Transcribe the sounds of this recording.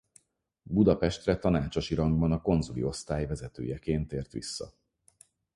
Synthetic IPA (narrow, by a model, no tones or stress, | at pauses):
bud̪ɒpɛʃt̪rɛt̪ɒnaːt͡ʃoʃiɾɒŋɡbɒnɒko̞nzulḭo̞st̪aːjvɛzɛt̪ø̰ːjɛkeːnt̪eːrt̪ʋḭsːɒ̰